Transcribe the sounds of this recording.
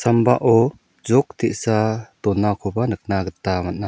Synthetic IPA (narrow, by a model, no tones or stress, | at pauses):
sambaʔɔ | zɔk̚t̪ʰiʔ̚sat̪ɔnːakʰɔbanɯk̚naɡət̪ːamat̚na